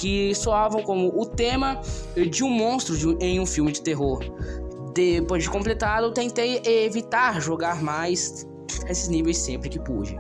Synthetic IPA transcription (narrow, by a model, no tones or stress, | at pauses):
kɪsoavɐ̃w̃kõmʊʊt̪ẽmɐd͡ʒɪũmõst̪ɾʊd͡ʒũẽj̃ũfiwmɪd͡ʒɪt̪eɦoɾ | d̪epozd͡ʒɪkõmplet̪alʊt̪ẽnt̪ejevit̪aɾʒoɡaɾmajs | esɪznivejsːẽmpɾɪkɪpud͡ʒɪ